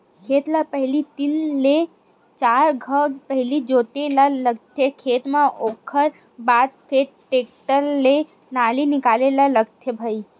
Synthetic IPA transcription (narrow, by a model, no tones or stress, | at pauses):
kʰeːt̪lapəɦlit̪inle | t͡ʃaːɾɡʱəpəɦlid͡ʒoːʈ̪elaləɡt̪ʰekʰeːt̪mãʔoːkʰəɾ | baːd̪̚pʰeɾ | ʈeːk̚ʈəlːe | naːlinɪkaːlelaləɡt̪ʰebʱəi